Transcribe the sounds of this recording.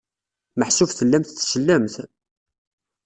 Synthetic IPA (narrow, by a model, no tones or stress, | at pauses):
məħsʊfθəlːæmθθʃəlːæmθ